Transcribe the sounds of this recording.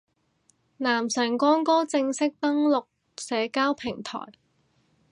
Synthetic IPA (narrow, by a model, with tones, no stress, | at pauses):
naː˨˩msœː˨˩ŋkɔː˥nkɔː˥t͡sɪ˧ŋsɪ˥k̚t̪ɐ˥ŋlʊ˨k̚ | sɛː˨˧˥kaː˥wpʰɪ˨˩ŋt̪ʰɔ̰ː˨˩j